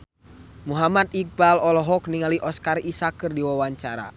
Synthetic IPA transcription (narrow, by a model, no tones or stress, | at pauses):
muɦamat̪̚ik̚balɔlɔɦɔk̚niŋaliʔɔskarisakɨrdiwawaɲt͡ʃaɾa̰